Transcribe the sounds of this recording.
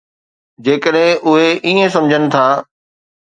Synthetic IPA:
d͡ʑeːkəɗɦɪ̃ʔʊɦeʔiːẽsɐ̃md͡ʑʱənɪ̆t̪ʰaː

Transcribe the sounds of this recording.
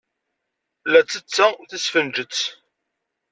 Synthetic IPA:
læt͡sːət͡sːæθəsfənd͡ʒət͡sː

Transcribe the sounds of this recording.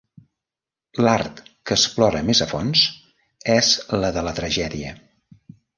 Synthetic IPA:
lart̪kəsplɔɾəmezəfons | ɛzləðələt̪ɾəʒɛðiə

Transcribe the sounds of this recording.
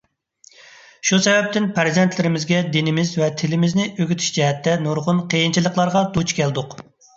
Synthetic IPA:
ʃusɛvɛp̚t̪ɪnpʰæɾzɛnt̪ʰlɪɾɪmɪzɡʲɛd̪enɪmɪzvɛt̪ʰɪlɪmɪznɪʔøɡʲyt̪ʰy̥ʃd͡ʒɛɦɛt̪ʰːɛnuɾʁʊnqʰejint͡ʃʰilˠəqlˠɑɾʁɑd̪ut͡ʃkʲʰɛld̪ʊq

